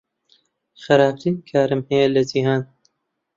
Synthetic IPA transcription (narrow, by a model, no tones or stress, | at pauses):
xɐɾaːtiːnkʰaːɾɨmhɛjɛlɐd͡ʒihaːn